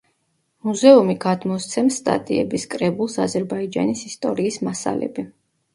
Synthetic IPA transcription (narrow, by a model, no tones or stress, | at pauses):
muzɛumiɡad̪mɔst̪sʰɛmst̪ʼa̰t̪ʼiɛbiskʼɾɛbulˠsazɛɾbaid͡ʒa̰nisist̪ʼɔɾiːsmasa̰lɛ̰bi